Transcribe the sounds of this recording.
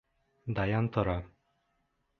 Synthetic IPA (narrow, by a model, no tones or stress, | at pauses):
d̪ajant̪ɔɾa